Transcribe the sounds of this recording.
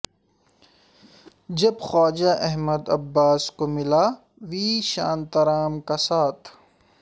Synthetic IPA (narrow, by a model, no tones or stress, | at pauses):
d͡ʒɐbxɔːd͡ʒaʔɛɦməd̪ɐbːaːskomɪla | ʋiːʃa̰ːnt̪ɐɾaːmkasaːt̪ʰ